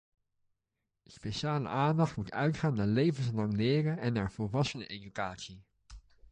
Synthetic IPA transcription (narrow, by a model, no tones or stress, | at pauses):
əspeʃaːlə̰ʔaːndɑχtmutœɥtχaːnːaːɹlejvənslɑŋlɪːrəɛnːaːɹv̥olˠʋɑsənəʔedykaːtsi